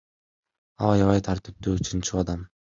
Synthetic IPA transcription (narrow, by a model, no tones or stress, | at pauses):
ɑlˠɑjɑβɑjt̪ʰaɾt̪ɪp̚t̪yt͡ʃʰɯnt͡ʃʰuɑd̪ɑm